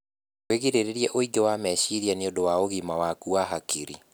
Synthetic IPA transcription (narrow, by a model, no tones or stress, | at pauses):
weɣiɾeɾeɾiɛʔoiɡewamɛɕiɾjaneodowaoɣimawakuaɦakiɾḭ